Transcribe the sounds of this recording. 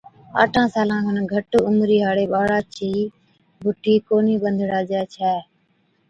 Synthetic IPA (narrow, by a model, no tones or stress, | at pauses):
a̰ːʈʰãːsaːlãːkʰənɡʱəʈʊmɾiːɦaːɽeːɓaːɽaːt͡ʃʰiiː | bʱʊʈʰiːkoːniːɓənd̪ʱɽaːd͡ʒɛːt͡ʃʰɛː